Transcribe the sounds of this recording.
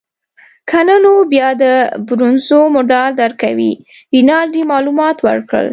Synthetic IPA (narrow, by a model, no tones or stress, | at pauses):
kʰanənobjɑd̪əbɾunzomoɖald̪aɾkawḭ | winɑld̪imɑlumɑt̪wə̰ɾkɽə̰l